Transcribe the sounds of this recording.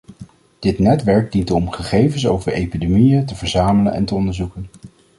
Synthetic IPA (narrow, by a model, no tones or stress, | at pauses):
d̥ɪtnɛtʋɛɹɡ̚dintɔmχəχejvənsowvəɹejpidemijətəvəɹzaːmələnɛ̰ntəɔndəɹzukən